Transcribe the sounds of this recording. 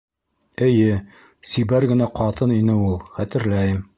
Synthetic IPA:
ɘ̆jɘ | sibæɾɡɘ̆næqɑt̪ɤninɘulˠχæt̪ɘ̆ɾlæjɘm

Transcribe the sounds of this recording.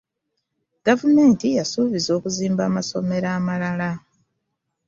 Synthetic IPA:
ɡ̥avume̞ːntijasuβizo̞ːkuziːmbaːmaso̞me̞ɾaːmalala

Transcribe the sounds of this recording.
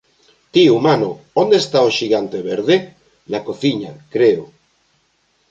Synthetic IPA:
t̪iumanoond̪est̪aoʃiɣant̪eβeɾðe | nakoθiɲakɾeo

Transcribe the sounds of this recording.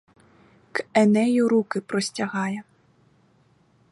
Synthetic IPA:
kɛnɛjuɾukɪpɾɔsʲt͡sʲaɣajɛ

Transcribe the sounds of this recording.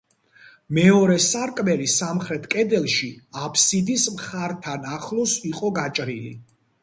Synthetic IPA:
mɛɔɾɛsaɾkʼmɛlisamχɾɛt̪ʰkʼɛd̪ɛlˠʃiapʰsid̪ismχaɾt̪ʰanaχlˠɔsiqʼɔɡat͡ʃʼɾilḭ

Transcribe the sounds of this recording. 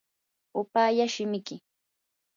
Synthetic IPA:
ʊpaːjaʃɪmɪkɪ

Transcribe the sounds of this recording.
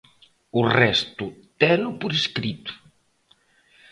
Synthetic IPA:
urɛst̪ut̪ɛlupuɾeskɾit̪u̥

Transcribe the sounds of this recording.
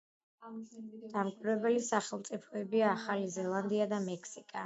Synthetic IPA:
d̪̥amkʼwiɾɛbɛlisaχɛlˠmt̪sʼipʰɔɛbiaːχalizɛlˠand̪iad̪amɛkʰsikʼa

